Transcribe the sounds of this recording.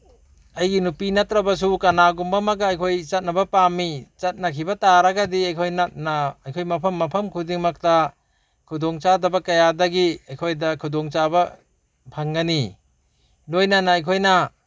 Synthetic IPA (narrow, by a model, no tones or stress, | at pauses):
ajɡinupinatɾɐbɐs̬ukɐnaɡumbamaɡaːjkʰojt͡ʃɐt̚nɐbɐpamit͡ʃɐt̚nakʰibɐtaɾaɡadiajkʰojnat̚naːjkʰojmɐpʰɐmːɐpʰɐmkʰudiŋmak̚ta | kʰudɔŋt͡ʃadɐbɐkɐjadɐɡiajkʰojdɐkʰudɔŋt͡ʃabɐ | pʰaŋɡani | lojnanaːjkʰojna